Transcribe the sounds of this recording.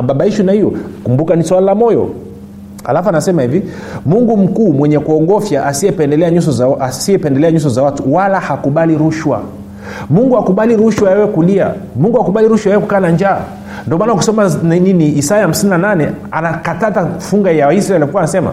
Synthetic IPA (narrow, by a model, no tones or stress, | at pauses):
aɓaɓaiʃunahijɔkumbukaniswalalamɔjɔ̰ | a̰lafuanasɛmahivi | muŋɡum̩kuːmwɛɲɛkuɔɡɔfjaʔasiɛpɛndɛlɛaɲus̬ɔzaasiɛpɛndɛlɛaɲus̬ɔzawatuwalahakuɓaliɾuʃwa̰ | muŋɡuakuɓaliɾuʃwajɛwɛkulia̰muŋɡuhakuɓaliɾuʃwajɛɛkukaːnaɲd͡ʒaː | ndiɔmanaku̥sɔmanininiːsajaham̩sininananɛ | anakatatafuŋɡajaaisɾaɛlikuwanasɛma̰